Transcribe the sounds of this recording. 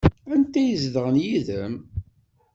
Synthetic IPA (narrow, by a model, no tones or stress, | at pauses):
ænt̪æjəzðəʁənjiðəm